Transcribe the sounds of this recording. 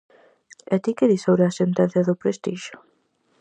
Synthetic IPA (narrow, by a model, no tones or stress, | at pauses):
ɛt̪ikeðisowɾeasent̪ɛn̟θjɐðʊpɾest̪iʃʊ̥